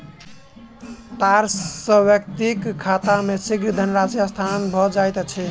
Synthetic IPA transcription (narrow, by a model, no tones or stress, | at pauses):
t̪aɾsːəbjək̚t̪ikkʰːat̪amesiɡd̪ʱənɾasjast̪ʰanbʱɔd͡ʒajt̪t͡ʃʰɛ